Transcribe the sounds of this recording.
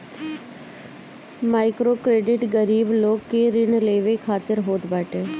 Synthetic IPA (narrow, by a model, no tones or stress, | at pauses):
maːɪkɾokɾeːɖɪʈɡəɾiːbloːkːeɾɪnleːʋekʰaːt̪ɪɾɦoːd̪baːʈeː